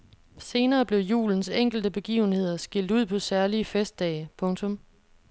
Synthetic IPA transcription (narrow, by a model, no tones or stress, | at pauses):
se̝ːnɐːb̥le̝ʊjṵːln̩seŋ̰ɡ̥l̩d̥əb̥e̝ɡ̥ḭːʊn̩he̝ð̰ˠɐsɡ̥il̰d̥uð̞̰ˠpʰɒ̽sæɐliəfesd̥ɛ̰ːɪpʰɔ̽ŋt͡sʰɔ̽m